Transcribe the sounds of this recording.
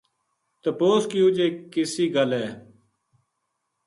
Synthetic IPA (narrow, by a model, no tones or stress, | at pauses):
t̪əpoːskiːʊd͡ʒeːkɪsiːɡəlɛː